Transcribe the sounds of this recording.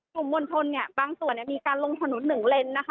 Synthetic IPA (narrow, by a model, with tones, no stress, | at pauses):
u˨˩mːo˧nt̪ʰo˧nːi˧˩ɐbaː˧ŋsu˨˩ənːiː˧˩miː˧kaː˧nlo˧ŋt̪ʰa˧nu˩˦nːɯ˨˩ŋle˧nːa˦˥kʰa˦˥